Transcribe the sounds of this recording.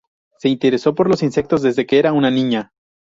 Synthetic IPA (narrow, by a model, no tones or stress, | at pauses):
se̞int̪e̞ɾe̞so̞po̞ɾlo̞sinse̞k̚t̪o̞zðe̞zðe̞keeɾaunanĩɲa